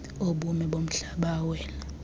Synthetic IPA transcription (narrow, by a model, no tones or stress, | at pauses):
oɓumɛɓom̩ɬaɓawɛːna